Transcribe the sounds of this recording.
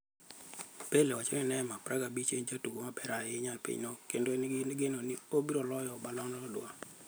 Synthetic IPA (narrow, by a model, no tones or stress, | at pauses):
pelewat͡ʃonɪnɛmapɾʔaɡabit͡ʃeɲd͡ʒatuɡomapɛɾajɪɲalpḭɲnokendonnɡenonɪobiɾolɔjɔbalɔŋnɔdʊ̰a̰